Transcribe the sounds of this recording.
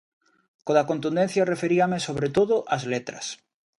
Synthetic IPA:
koðakont̪und̪ẽn̟θjarefeɾiamesoβ̞ɾet̪oðoʔazlet̪ɾɐ̰s

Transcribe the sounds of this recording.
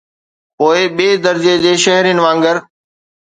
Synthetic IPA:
poːɪɓeːd̪əɾd͡ʑed͡ʑeːʃəɦɾijːnɪ̆ʋãːŋɡəɾ

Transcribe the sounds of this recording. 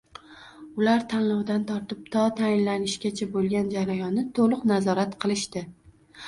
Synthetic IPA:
ʊlaɾt̪ʰanlɒwd̪ant̪ʰɒɾt̪ɪp̚t̪ʰɒt̪ʰajɪnlanɪʃɡʲat͡ʃʰabolˠɡʲand͡ʒaɾajɒnːɪt̪ʰolˠʊqnazɒɾat̪qʰɨlˠɪʃt̪ɪ

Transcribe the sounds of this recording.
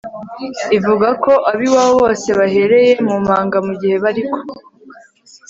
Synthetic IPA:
ivuɡako̞ʔaβiwaoβo̞ːse̞βahe̞ɾe̞je̞mum̥haːŋɡamuɟihe̞βaɾiko̥

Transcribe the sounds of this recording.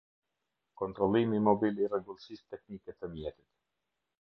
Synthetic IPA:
kɔnt̪ɾɔlˠimimɔbilirɛɡulsist̪ɛknikɛt̪əmjɛt̪it̪

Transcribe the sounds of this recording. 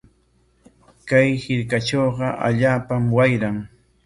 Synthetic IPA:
kajhɪɾkat͡ʃoːɢɑʔa̰ʎaːpamwajɾaŋ

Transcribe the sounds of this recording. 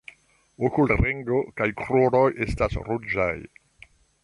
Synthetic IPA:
okulɾeŋɡo̞kajkɾuɾo̞jʔe̞stasɾud͡ʒa̰j

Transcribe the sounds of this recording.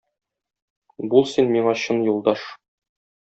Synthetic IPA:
bulˠsinmiɴɑɕɤnjulˠd̪ɑʃ

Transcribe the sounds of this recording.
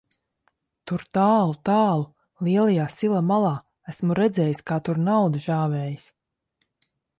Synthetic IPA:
t̪uɾt̪aːlˠut̪aːlˠu | liɛlˠajaːsilˠamalˠaː | æsmuɾɛd̪zɛːjiskaːt̪uɾnawd̪iʒaːvɛːjis

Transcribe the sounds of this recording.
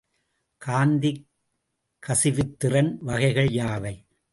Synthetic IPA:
kaːnd̪i | kːɐsɪʋɯt̪ːɪrɐnʋɐɣɐɪɣɐɭjaːʋɐɪ

